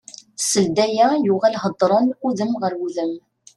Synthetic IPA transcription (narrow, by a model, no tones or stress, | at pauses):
səld̪æjæjʊʁælɦəd̪ˤːɾˤɑnquðəmʁəɾwuðəm